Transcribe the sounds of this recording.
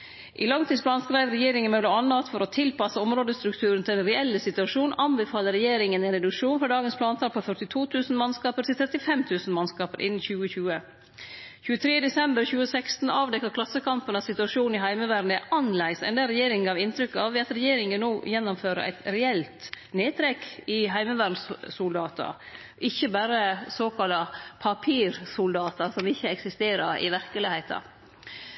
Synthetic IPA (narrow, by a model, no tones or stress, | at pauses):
ʔɪ̰lɑŋt̪ʰiːsblɑːnskɾæɪʋɾɛjeːɾɪŋənmœləɑnːəɑt̪fɔɾɔt̪ʰɪlpɑsəɔmɾoːd̪əst̪ɾʉk̚t̪ʰʉːɾən̩t̪ʰɪlɛnɾɛɛlːəsɪt̪ʉɑʂuːnɑnbɛfɑːləɾɛjeːɾɪŋənɛːnɾɛd̪ʉkʂuːnfɾɑːd̪ɑːɡənsplɑːnt̪ʰɑːlpʰɔfœʈɪt̪ʰuːt̪ʰʉːsn̩mɑnskɑːpəɾʈʰɪlt̪ʰɾɛt̪ːɪfɛmt̪ʰʉːsn̩mɑnskɑːpəɾʔɪ̰nːn̩çʉːəçʉːə | çʉːət̪ʰɾeːd̪ɛsɛmbəɾçʉːəsɛkst̪n̩ɑːʋd̪ɛkːɑt̪kʰlɑsːəkɑmpənɑsɪt̪ʉɑʂuːnɪɦæɪməʋæːɾn̩æɾʔɑnlæɪsɛ̰nd̪æɾɛjeːɾɪŋŋɡɑːʋɪnt̪ʰɾʏkːɑʋɪɑt̪ɾɛjeːɾɪŋənnoːjɛnːʊmføːɾə̰ʔæ̰ɪt̪ɾɛɛlt̪ | neːt̪ʰɾɛkɪɦæɪməʋæːɾɳn̩ssʊld̪ɑːt̪ɑ̰ | ʔɪçːəbæːɾəsoːkʰɑlːɑpʰɑpʰiːɾsʊld̪ɑːt̪ɑsɔmɪçːəɛksɪst̪eːɾəɾɪ̰ʋæɾkəlɪhæɪt̪ʰɑ̰